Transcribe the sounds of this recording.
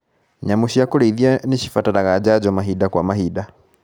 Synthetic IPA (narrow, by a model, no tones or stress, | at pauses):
ɲamuʃijakulɛðjaniʃifatanaɣad͡ʒad͡ʒɔmaɦidakwamaɦida